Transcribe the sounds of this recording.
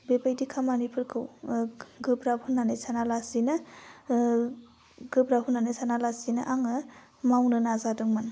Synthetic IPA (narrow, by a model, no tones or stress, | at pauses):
bebajdikʰamanipʰɯɾkʰɯw | ɡɯbɾahunːanejsʰanalasinɯ | ɡ̥ɯbɾaɦunːanɯsʰanalasinaʔaŋɯ | mawnɯnazadɯŋmɯn